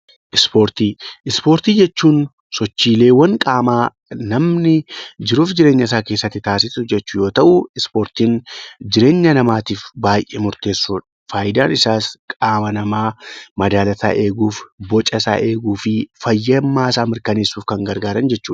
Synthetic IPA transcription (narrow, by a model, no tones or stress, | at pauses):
ʔɪspo̞ːɾt̪iːʔɪspo̞ːɾt̪iːd͡ʒɛt͡ʃːuːn | sɔt͡ʃːiːle̞ːwɐŋkʼaːmaː | nɐmnɪd͡ʒɪɾuːfd͡ʒɪɾeːɲːɐs̬aːke̞ːsːɐt̪ːɪt̪aːsɪsʊd͡ʒɛt͡ʃːʊjo̞ːt̪ɐʔʊɪspo̞ːɾt̪iːnd͡ʒɪɾe̞ːɲːɐnɐmaːt̪iːfbaːjʔḛːmʊɾt̪e̞ːsːuːᶑɐ̥faːjɪd̪aːnɪsaːskʼaːmɐnɐmaːmɐd̪aːlɐt̪a̰ːʔe̞ːɡuːfbɔt͡ʃʼɐsa̰ːʔe̞ːɡuːfɪfɐjːɐmːaːsaːmɪɾkɐne̞ːsːuːfkɐŋɡɐɾɡaːɾɐnd͡ʒɛt͡ʃːuːᶑ